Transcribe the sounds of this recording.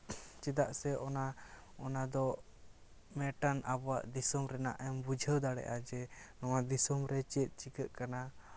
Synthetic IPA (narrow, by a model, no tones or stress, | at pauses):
t͡ʃɛd̪aʔsɛʔɔna | ɔnad̪ɔ | mɛʈanabɔwa̰ʔd̪isɔmɾɛnaʔɛmbud͡ʒʱəd̪aɽɛ̰ʔad͡ʒɛnɔwad̪isɔmɾɛt͡ʃɛt̪̚ˀt͡ʃikəʔkana